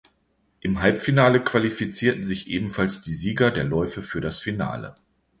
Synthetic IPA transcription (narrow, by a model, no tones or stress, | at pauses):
ʔɪmɦalpfinaːləkv̥alifit͡siːɐtn̩zɪçʔeːbm̩falsd̥iːziːɡɐdeːɐlɔʏfəfyːɐɾasfina̰ːlə̰